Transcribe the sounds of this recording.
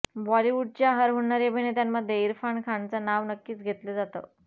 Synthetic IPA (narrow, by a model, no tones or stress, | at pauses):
bɔliʋuɖ̚t͡ɕjaɦəɾɦoɳnaɾjebʱiɳet̪jamːəd̪ʱjeiɾfaɳkʰaɳt͡sanaʋnəkːiːt͡sɡʱet̪led͡zat̪ə̰